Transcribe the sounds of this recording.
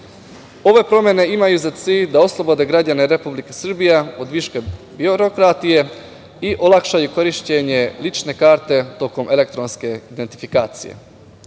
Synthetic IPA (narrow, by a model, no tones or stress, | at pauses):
o̞ʋe̞pɾo̞mje̞ne̞imajuzat̪siːʎd̪aoslˠo̞bo̞d̪e̞ɡɾadane̞ɾepublikesr̩bijaod̪ʋiʃke | bioɾo̞kɾat̪ije̞ | iʔo̞lˠakʃajuko̞ɾiʃt͡ɕeɲe̞lit͡ʃne̞kaːɾt̪e̞t̪o̞ko̞mʔe̞le̞k̚t̪ɾo̞nske̞id̪ent̪i̥fikaːt̪sḭjḛ